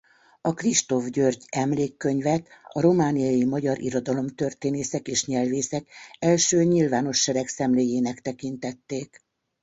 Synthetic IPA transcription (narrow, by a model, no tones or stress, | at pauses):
ɒkriʃt̪o̞vɟørɟɛmleːkːøɲvɛt̪ɒɾo̞maːnijɒjimɒɟɒɾʔḭɾo̞d̪ɒlo̞mt̪ø̞rt̪eːneːsɛkeːʃɲɛlveːsɛkɛlʃøːɲilvaːno̞ʃːɛɾɛksɛmleːjeːnɛkt̪ɛkin̪t̪ɛt̪ːeːk